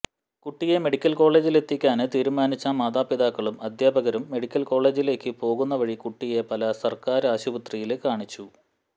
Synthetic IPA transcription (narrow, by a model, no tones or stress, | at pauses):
kuʈːije̞me̞ɽikʲːɐlko̞ːɭe̞ːd͡ʑile̞t̪ːikʲːaːnɨt̪iːɾumaːnit͡ɕːɐmaːd̪aːpiðaːkːɐɭumɐd̪ʱjaːbɐɣɐɾumːe̞ɽikʲːɐlko̞ːɭe̞ːd͡ʑile̞ːkːɨpo̞ːɣunːɐʋɐɻikuʈːije̞pɐlɐsɐrkaːɾaːɕubɐt̪rijilkaːɳit͡ɕːu